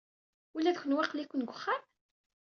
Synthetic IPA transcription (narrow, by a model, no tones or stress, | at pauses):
ulːæðçʷənwɑqlikʷnɡʷəχːam